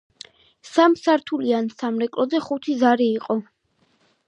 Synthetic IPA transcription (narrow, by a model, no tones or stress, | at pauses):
samsaɾt̪ʰuliansamɾɛkʼlɔzɛχut̪ʰizaɾiːqʼɔ